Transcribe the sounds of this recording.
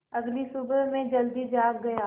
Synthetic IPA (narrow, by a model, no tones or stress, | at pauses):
ɐɡlisubəmẽd͡ʒɐld̪id͡ʒaːkːɐjaː